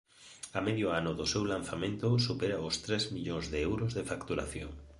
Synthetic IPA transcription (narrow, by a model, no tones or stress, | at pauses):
ameðjoanʊðʊsewlanθamẽnt̪ʊsupeɾaʊst̪ɾezmiʎoŋzðɪɛwɾʊzðefakt̪uɾa̰θjo̰ŋ